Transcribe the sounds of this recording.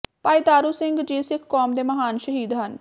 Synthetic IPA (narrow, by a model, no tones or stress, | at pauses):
paːiːd̪aːɾuːsɪŋɡd͡ʒiːsɪkʰkːɔːmd̪eːməɦaːnʃəɦiːd̪ɦən